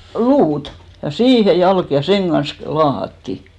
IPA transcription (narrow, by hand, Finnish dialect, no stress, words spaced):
luːt jɑ siːhe jɑlk jɑ seŋ ɡ̊ɑns klŭ lɑːhɑtːi